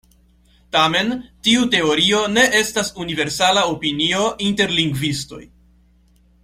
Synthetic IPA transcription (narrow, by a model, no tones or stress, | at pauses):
tame̞ntiute̞o̞ɾio̞ne̞ʔe̞stasunive̞ɾsalao̞pinio̞ʔinte̞ɾliŋɡvisto̞̰j